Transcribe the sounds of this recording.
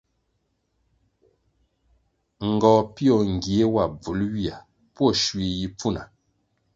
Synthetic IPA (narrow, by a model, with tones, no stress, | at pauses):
ŋ̩˨ɡɔː˨pi˦ɔ˨ŋ˨ɡje˨˦wa˨b͡vu˨˦lɥi˦a˨ | pwɔ˦˨ʃwɥe˨ji˦p͡fu˦na˨